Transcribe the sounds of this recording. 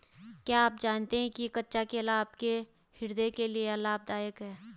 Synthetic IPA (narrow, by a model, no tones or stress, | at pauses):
kjaːaːp̚d͡ʒaːnt̪eɦɛ̃kikɐtːʃakelaːbke | hɪɾd̪ekelieəlaːb̚d̪aːjəkɦɛː